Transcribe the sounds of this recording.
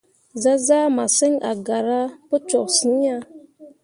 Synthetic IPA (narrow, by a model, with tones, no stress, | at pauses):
za˦za˦ma˨se˦ŋa̰˨ɡa˨ɾa˦pə˦t͡ʃɔ˨ksi˨˦a˦